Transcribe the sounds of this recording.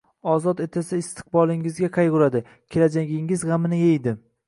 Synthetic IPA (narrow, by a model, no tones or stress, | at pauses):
ɒzɒt̪et̪ʰasɪːst̪ʰɨ̥q̚bɒlˠɪŋɪzɡʲaqʰɑjʁʊɾad̪ɪ | kʲʰe̞lad͡ʒaɡʲɪŋɪzʁamɪnɪjejd̪ɪm